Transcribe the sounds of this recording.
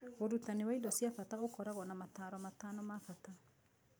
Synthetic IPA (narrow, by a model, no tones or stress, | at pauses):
oɾutanewaidɔsiafataokɔɾaɣɔnamataɾɔmatanɔmafata